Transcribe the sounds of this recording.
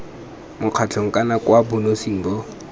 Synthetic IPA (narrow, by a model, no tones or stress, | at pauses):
mʊq͡χʰat͡ɬʰɔŋ̩kʼanakwabʊnosiŋ̩ːbɔ